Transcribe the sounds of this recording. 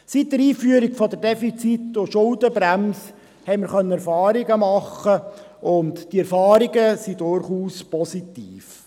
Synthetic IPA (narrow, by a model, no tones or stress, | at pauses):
sit̚ːəɾiːfyəɾiɡfɔd̪əɾdefit͡sit̪ːʊʃʊldəbɾæms | hɛɪməɾχœnːəɛɾfɑːɾiɡəmɑχːəʔʊntd̥iɛɾfɑːɾiɡəsidʊɾχuːspɔsitiːf